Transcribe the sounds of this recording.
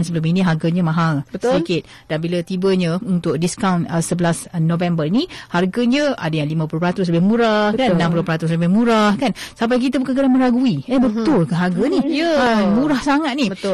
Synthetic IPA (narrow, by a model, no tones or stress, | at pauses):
nsəbəluminiɦarɡaɲəmãɦalbəsikɪt̪̚ | d̥anbilat̪ibəɲə̃unt̪ʊk̚diskawnəsəbəlasnovɛmbərniharɡaɲə̃a̰dajaŋlimãpulupɾat̪ʊs̬ləbɪhmuɾahkanãmpulopɾat̪ʊsləbɪhmuɾahkansamp̬ajk̬it̪abukankədaŋmə̃ɾaɡuiebətt̪ʊlkanɦarɡanijəmuɾahsaŋat̪̚niə